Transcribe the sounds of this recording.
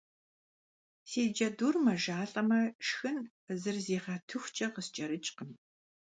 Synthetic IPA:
seːd͡ʒɐduːrmɐʒaːɬʼɐmɐʂxɨn | zɨrzeːʁɐtʰɨxʷt͡ʃʼɐqəst͡ʃʼɐɾɨt͡ʃʼqəm

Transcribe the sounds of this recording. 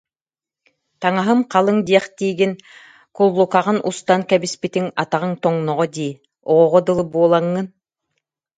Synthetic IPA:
t̪aŋaɦɯmqɑlˠɯŋd̪iɛχt̪iːɡin | kulˠːukaʁɯnʔust̪aŋkɛbispit̪iŋat̪aʁɯŋt̪ɔŋnɔʁɔd̪iː | ɔʁɔʁɔd̪ɯlˠɯbuɔlˠaŋːɯn

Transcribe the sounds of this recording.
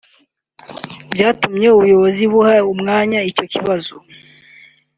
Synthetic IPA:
bjaːtumɲe̞uβujo̞βoziβuhaumŋaːɲaico̞ciβazo

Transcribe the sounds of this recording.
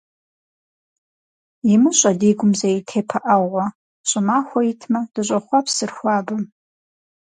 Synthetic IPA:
imɨɕʷʼadiɡʷʊmzaitʰepʰaʔawʁʷa | t͡ʃʷʼɨmaxʷaitʰmad̥ɨɕʷʼaχʷapʰsɨrxʷaːbɨm

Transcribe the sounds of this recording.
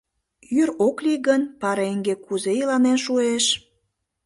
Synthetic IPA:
yɾokliɣənpɑɾeeŋɡekuzejilɑnenʃueʃ

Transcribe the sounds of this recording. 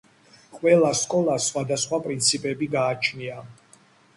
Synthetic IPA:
qʼwɛlˠaskʼɔlˠasχwad̪asχwapʼɾint̪sʰipʼɛbiɡaːt͡ʃʰnia

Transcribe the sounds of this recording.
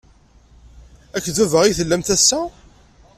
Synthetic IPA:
ækːðuvəʁiθəlːæmt̪æsːæ

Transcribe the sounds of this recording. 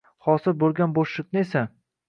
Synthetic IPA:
hɒsɪɾbolˠɡʲanboʃlɪknɪesa

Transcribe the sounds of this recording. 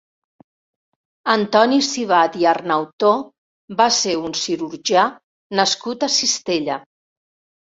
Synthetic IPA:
ənt̪ɔnisiβad̪iarnawt̪o | baseunsiɾuɾʒia | nəskut̪əsist̪eʎə

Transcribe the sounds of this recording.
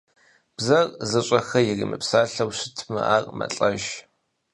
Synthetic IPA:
b̥zɐrzɨɕʼɐxɐjɪrimɨ̰psaːɬɐwɕɪtʰmɨ̰ʔaːrʼmɐ̰ɬʼɐʒ

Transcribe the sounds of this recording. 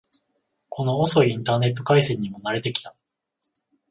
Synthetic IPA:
kʰo̞no̞ːso̞ĩnt̪aːne̞t̪ːo̞kaisẽ̞ɲ̟ːimonaɾe̞t̪e̞kʲi̥t̪ḁ

